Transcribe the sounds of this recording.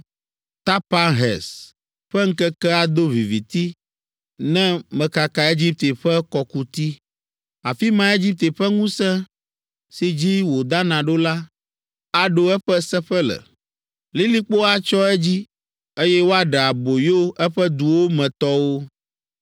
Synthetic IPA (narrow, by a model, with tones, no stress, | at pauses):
t̪a˦pa˦ɦɛ̰˨s | ɸɛ˦ŋ̩˦kɛ˦kɛ˦a˨d̪o˦vi˨vi˨t̪i˦ | nɛ̃˦mɛ̃˨ka˨ka˨e˦d͡ʑi˦p̚t̪e˨ɸɛ˦kɔ˦ku˦t̪i˦ | a˨fi˦mã˨˦e˦d͡ʑi˦p̚t̪e˨ɸɛ˦ŋũ˦sɛ̃˦ | si˦d͡ʑi˦wo˨d̪a˦nã˨ɖo˦la˦ | a˨ɖo˦ɛ˦ɸɛ˦sɛ˦ɸɛ˦lɛ̰˨ | li˦li˦k͡po˦a˦t͡ʃɔ˦ɛ˦d͡ʑi˦ | e˦jɛ˦wo˦a˦ɖɛ˨a˨bo˨jo˦ɛ˦ɸɛ˦d̪u˨wo˦mɛ̃˨t̪ɔ˦wo˦